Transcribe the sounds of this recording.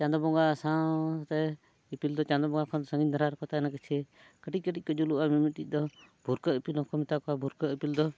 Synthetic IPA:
t͡ʃãnd̪ɔbɔŋɡasãt̪ɛ | ipild̪ɔt͡ʃãnd̪ɔbɔŋɡakʰɔnd̪səŋɡinaɾaɾkɔt̪anakɛt͡ʃʰɛ | kəʈic̚kəʈic̚ˀkɔd͡ʒuluʔamimit̪iˀd̪ɔbʱuɾkəʔipilɔkʰɔmit̪akɔabʱuɾkəʔipild̪ɔ

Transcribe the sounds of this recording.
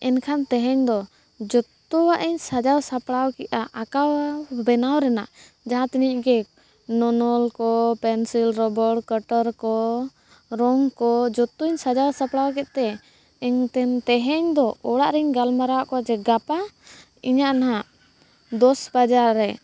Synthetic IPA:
ɛnkʰant̪ɛɦɛɲd̪ɔ | d͡ʒɔt̪ːuwaʔiɲsad͡ʒawsapɽawkɛʔaʔakawbɛnawɾɛna̰ʔ | d͡ʒaɦãt̪inicɡɛ | nɔnɔlkɔpɛnsilɾɔbəɽkəʈəɾkɔ | ɾɔŋkɔd͡ʒɔt̪ːuiɲsad͡ʒawsapɽawkɛt̪̚ˀt̪ɛ | ɛɲt̪ɛnt̪ɛɦɛɲd̪ɔɔɽaʔɾɛɲɡalmaɾawaʔkɔad͡ʒɛɡapa | iɲaʔnaɦaʔ | d̪ɔsbad͡ʒaɾːɛ

